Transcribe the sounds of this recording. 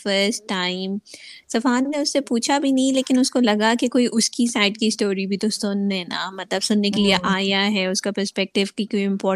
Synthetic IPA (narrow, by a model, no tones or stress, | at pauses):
fəɾsʈːaːɪmsɐfaːnneʊsːepuːt͡ʃʰabʱinɐɦĩleːkɪnʊskolɐɡakekoːiʔʊskisaːɪɖkisʈoːɾibʱit̪ossonɦɛ̃na̰mɐt̪ləbsʊnːekelieʔaːjaɦɛʊskapəɾspɛk̚ʈɪʋkikoiɪ̃mpɔːɾ